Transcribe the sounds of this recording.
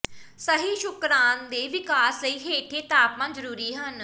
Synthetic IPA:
səɦiːʃʊkɾaːnd̪eːʋɪkaːsləiːɦeːʈʰeːt̪aːpmãːzəɾuːɾiːɦən

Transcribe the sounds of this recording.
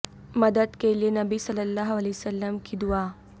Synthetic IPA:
mɐd̪əd̪kelienɐbisɐlːəlːaːɦɐlɛːsəlːəmkid̪ʊaː

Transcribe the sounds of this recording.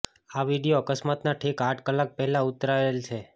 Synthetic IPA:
aʋiɽijoəkəsmat̪naʈʰekaʈʰkəlːak̚pɛɦɛlãut̪ɾaeelt͡ʃʰe

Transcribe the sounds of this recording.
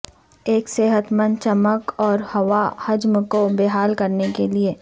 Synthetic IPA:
eːkseːɦət̪mə̃nt͡ʃɐməkɔːɾhɐʋahɐd͡ʒmkobeːɦaːlkɐɾnekelie

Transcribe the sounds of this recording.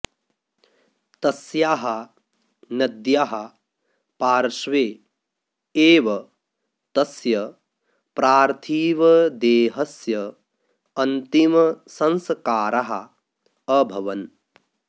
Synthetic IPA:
t̪ɐsjaːɦɐ | nɐd̪jaːɦɐ | paːɾʃʋeː | eːʋɐ | t̪ɐsjɐ | pɾaːɾt̪ʰiːʋɐd̪eːɦɐsjɐ | ɐnt̪imɐsɐnsɐkaːɾaɦɐ̰ | ɐbʱɐʋɐn

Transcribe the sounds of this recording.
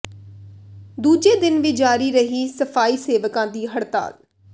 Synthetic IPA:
d̪uːd͡ʒeːd̪ɪnʋɪd͡ʒaːɾiːɾəɦiːsəfʰaːiːseːʋəkãːd̪iːɦəɽt̪a̰ːl

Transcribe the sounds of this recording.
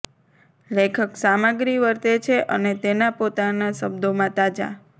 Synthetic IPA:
lekʰəksaməɡɾiʋəɾt̪et͡ʃʰeʔənet̪enapot̪anasəbd̪ʱomãt̪ad͡ʒa̰

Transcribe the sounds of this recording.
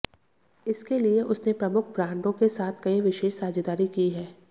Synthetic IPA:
ɪskelieʔʊsnepɾɐmʊkʰbɾãːɳɖõkesaːt̪ʰkɐĩʋɪʃeːʃsaːd͡ʒd̪aːɾikiɦɛː

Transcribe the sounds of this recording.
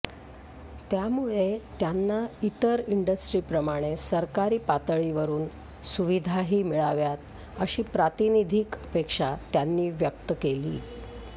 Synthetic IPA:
t̪jamuɭet̪janːait̪əɾiɳɖəsʈɾiːpɾəmaɽ̃esəɾkaɾiːpat̪əɭiʋəɾuːn | suʋid̪ʱaɦiːmiɭaʋjat̪ | əɕiːpɾat̪inid̪ʱiːkəpekʂat̪janːiːʋjək̚t̪əkeliː

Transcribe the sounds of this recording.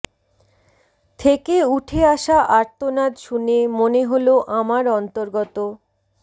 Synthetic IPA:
t̪ʰekeuʈʰeaʃaʔaɾt̪onad̪ʃunemoneɦoloʔamaɾɔnt̪oɾɡɔt̪o

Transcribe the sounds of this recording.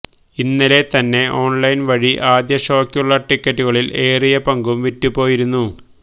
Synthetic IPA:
inːɐle̞t̪ɐnːe̞ʔo̞ːɳlɐjnʋɐɻiʔaːd̪jɐʂo̞ːkʲːjuɭːɐʈikʲːɐʈːuɣɐɭile̞ːrijɐpɐŋɡumʋitːupːo̞ːjiɾunːu

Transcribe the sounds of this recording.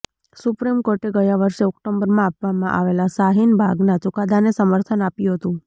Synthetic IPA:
supɾimkoɾʈeɡəjaʋəɾʃeɔkʈombəɾmãapʋamãʔa̰ʋelasaɦinbʱaɡnat͡ʃukad̪ʱanesəməɾt̪ʰənapjũɦət̪ũ

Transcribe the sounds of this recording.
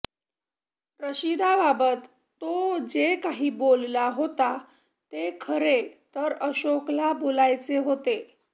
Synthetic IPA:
ɾəɕid̪ababət̪ː | od͡ʑekaɦiːbollaɦot̪a | t̪ekʰəɾet̪əɾəɕoklabolajt͡seɦot̪e

